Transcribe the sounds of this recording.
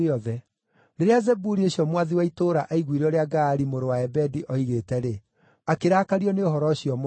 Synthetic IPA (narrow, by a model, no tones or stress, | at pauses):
ɔðɛ | ɾeɾeazɛbuɾieɕiɔmwaðiwaitoɾaʔaiɣwiɾeɔɾeaɡaːɾimoɾowaɛbɛdiʔɔiɣetɛɾe | akeɾaːkaɾiɔneoɦɔɾɔɕiɔmo